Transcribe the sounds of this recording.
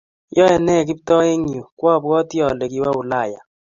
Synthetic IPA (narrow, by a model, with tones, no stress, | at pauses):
jɔ˦ɛ˨nɛ˦˨k̬i˦ptɔ˦e˦ŋi˨o˨kwa˦˨bɡɔ˦tjɔ˨lɛ˨ki˨˦wa˦u˨la˦˨ja̰˨